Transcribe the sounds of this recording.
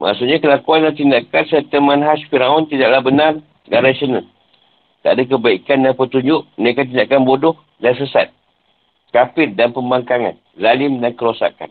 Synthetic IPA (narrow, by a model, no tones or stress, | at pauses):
mʔa̰ʔsuʔɲakəlakuanlaht̪indaʔkansɛt̪əmãnɦaʃfiɾaɔnt̪idaʔlabənar | ɡaɾasonal | t̪a̰ʔdak̬əbaikandanpət̪uɲd͡ʒʊʔmənekat̪̬indakanbodɔh | dans̬əsa̰t̪̚ | kapɪt̚danpəmbaŋkaŋa̰n | zalɪmdankəɾosa̰ka̰n